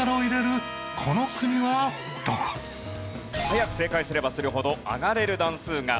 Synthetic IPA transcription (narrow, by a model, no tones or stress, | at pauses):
aɾaoiɾe̞ɾɯ̟ | kʰo̞no̞kɯ̟ɲ̟iβa | t̪o | hajakɯ̟̥se̞ːkaisɨɾe̞basɨɾɯ̟ɦo̞d̪o̞a̰ɡaɾe̞ɾɯ̟d̪ãɰ̃sɨːŋa̰